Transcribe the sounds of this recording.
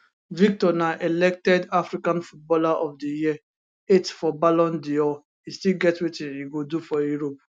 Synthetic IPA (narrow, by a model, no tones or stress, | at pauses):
vik̚tɔnaʔelɛk̚tɛdafɾikãnfut̚bɔlaʔɔvdəjiə | etfɔbalɔ̃ndiɔ | istilɡɛtwetĩniɡodufɔjuɹop̚